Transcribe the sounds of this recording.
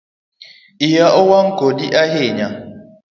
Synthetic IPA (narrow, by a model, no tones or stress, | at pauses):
ijaʔowaŋ̩kodiʔaɦeɲa